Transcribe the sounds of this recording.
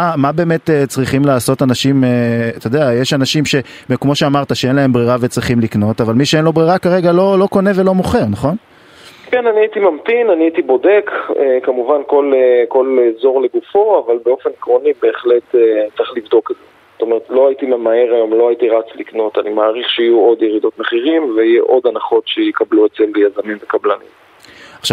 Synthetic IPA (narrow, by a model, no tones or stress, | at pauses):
amabe̞ːme̞t̪ːet͡sʁiχimlaːso̞tanaʃimet̪od̪eajeʃanaʃimʃe̞ | kmo̞ʃeamaʁt̪aʃeenlae̞mbʁiʁavet͡sʁiχimlikno̞tavalmiʃeenlo̞bʁiʁakaʁe̞ɡalo̞lo̞ko̞ne̞velo̞moχe̞ʁnaχo̞n | kenaniaitimamtinaniaitibo̞de̞kḛkamuvanko̞leko̞lezo̞ʁle̞ɡufo̞avalbe̞o̞fe̞nikʁo̞nibe̞ːχle̞tet͡siχlivd̪o̞keze | zot̪o̞meʁetlo̞ajitimemae̞ʁajomlo̞ajitiʁat͡slikno̞tanimaːʁiχʃeijuo̞d̪jeʁid̪o̞tmeχiʁimveijeʔo̞danaχo̞tʃejikabluet͡seljazamimvekablanḭm | aχʃav